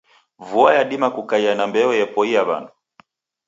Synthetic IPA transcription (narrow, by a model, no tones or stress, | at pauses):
vuajaɗimakukaianambɛɔjɛpɔiaβa̰nɔ